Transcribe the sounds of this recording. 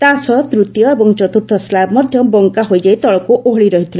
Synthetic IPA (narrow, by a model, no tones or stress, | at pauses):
t̪asʌt̪ɾut̪jʌebɔŋt͡ʃɔt̪uɾt̪ʰɔslabmʌd̪ʱjʌbɔŋkaɦojd͡ʒajt̪ɔɭɔkuʔoɦɭiɾʌɦit̪ʰila